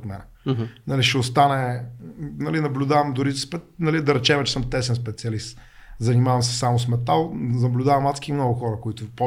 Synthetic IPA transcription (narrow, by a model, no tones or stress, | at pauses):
t̪mɛ̰nɛ | nɐliʃɛʊst̪anɛ | nɐlinɐblʲʊd̪avɐmd̪ʊɾispɛt̪nɐlid̪ɐɾɛt͡ʃɛmɛt͡ʃɛ̥səmt̪ɛsɛnspɛt̪siɐlist̪ | zɐnimavɐmsɛ̥samʊsmɛt̪alˠnɐblʲʊd̪avɐmːat̪skimnɔɡʊxɔɾɐkʊit̪ʊpo